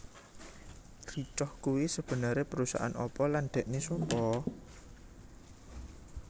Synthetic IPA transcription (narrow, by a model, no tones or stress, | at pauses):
rit͡ʃɔhkuwisəb̥ə̤nəɾepəɾusa̰ʔa̰nɔ̰pɔland̪̥ɛ̤ʔnesɔmpɔ